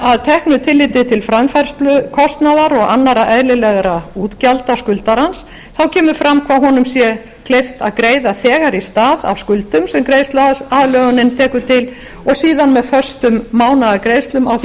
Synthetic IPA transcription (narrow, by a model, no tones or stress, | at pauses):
aðt̪ʰɛhknʏt̪ʰɪlːɪːt̪ɪt̪ʰɪlfɾamfɛɾ̥st̪lʏkʰɔst̪naðaɾɔɣanːaɾaʔɛðlɪlɛɣɾauːt̪calt̪askʏlt̪aɾhans | θawcʰɛːmʏɾfɾamkʰvaɦɔnʏmsjɛ | kʰlejft̪a̰ðkɾeːjðaθɛːɣaɾist̪aːða̰vskʏlt̪ʏmsɛmkɾejst̪laðlœɣʏnɪnt̪ʰɛːkʏt̪ʰɪl | ɔɣsiːðanmɛðfœr̥st̪ʏmːaːwnaðakɾejst̪lʏmaw